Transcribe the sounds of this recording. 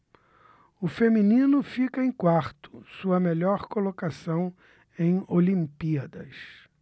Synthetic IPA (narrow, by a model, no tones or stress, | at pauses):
ʊfeminĩnʊfikɐẽj̃kwaɾt̪ʊ̥suɐmeʎɔɾkolokasɐ̃w̃ | ẽj̃olĩmpiɐd̪ɐs